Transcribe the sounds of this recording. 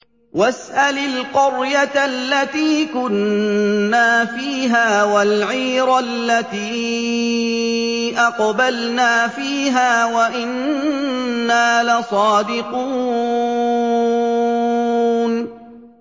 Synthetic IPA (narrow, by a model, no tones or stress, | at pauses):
wasʔalɪlqʊɾjat̪lːat̪iːkʊnː | aːfiːɦaːwalʕiːɾalːat̪iː | ʔɑqbalnaːfiːɦaːwaʔɪnː | aːlasˤɑːd̪ɪquː | n